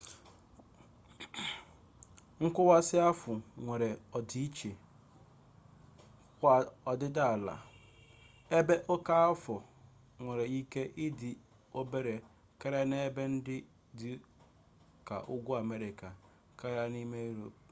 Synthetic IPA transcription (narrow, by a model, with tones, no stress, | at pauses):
ŋ̩˦kʷʊ˦wa˦sɪ˦a˦fʊ˨ŋʷe˨ɾe˨ɔ˨di˦i˦t͡ʃe˨ | kʷa˨ɔ˨dɪ˦da˦a˨la̰˨ | e˦be˦ʔo˦ka˦a˦fɔ˨ | ŋʷe˨ɾe˨i˦ke˦ʔɪ˦dɪ˨ | o˦be˦ɾe˨ | ka˦ɾa˦ne˦be˦n̩˦dɪ˦ | dɪ˦ | ka̰˨ʔʊ˦ɡʷu˦a˨me˦ɾɪ˨ka˨ | ka˦ɾa˦ni˦me˦ɾo̰˨p̚